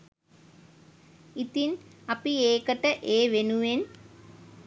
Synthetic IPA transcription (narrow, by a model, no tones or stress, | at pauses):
it̪inɐpieːkəʈəʔeːʋenuʋen